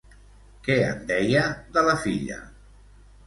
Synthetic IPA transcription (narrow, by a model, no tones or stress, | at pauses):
kɛə̰nd̪ɛjəðələfḭʎə̰